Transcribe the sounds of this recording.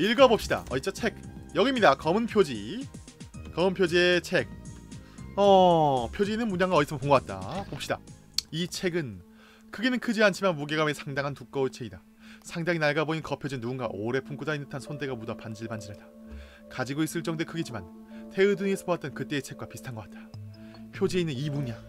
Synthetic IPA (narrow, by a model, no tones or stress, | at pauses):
iɭɡʌbop̚ɕ͈ida̰ʌit͡ɕ͈ʌt͡ɕʰe̞k̚jʌɡimɲidakʌmɯnpʰjod͡ʑi | kʌmɯnpʰjod͡ʑiet͡ɕʰe̞k̚ | ʌpʰjod͡ʑinɯnmuɲaŋɡaʌis͈ʰɯmkoŋɡoat̚t͈a̰pop̚ɕ͈ida̰ | it͡ɕʰe̞ɡɯn | kʰɯɡenɯnkʰɯd͡ʑiant͡ɕʰimanmuɡeɡamesʰaŋdaŋɦantuk͈ʌit͡ɕʰe̞ɡida | sʰaŋdaŋinaɭɡaboɲinkʌpʰjod͡ʑinːuɡunɡaʔoɾe̞pʰumŋk͈ʰud͡ʑainɯtʰansʰonde̞ɡamudʌpand͡ʑiɭband͡ʑiɾada | kad͡ʑiɡois͈ɯɭt͡ɕ͈ʌŋdwekʰɯɡed͡ʑiman | te̞ɯdɯŋesʰɯbowat͈̚ʌnkɯt͈e̞ːt͡ɕʰe̞k̚k͈wapisʰɯ̥tʰanɡʌkat̚t͈ḁpʰjod͡ʑieinːɯnimuɲaŋ